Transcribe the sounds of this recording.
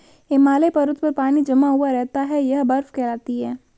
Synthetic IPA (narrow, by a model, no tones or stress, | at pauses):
emaːlepɐɾʊt̪pɐɾpaːnid͡ʒɐmaɦuaɾɛɦt̪aɦɛjɐɦbɐɾfkɛːɾaːt̪iɦɛː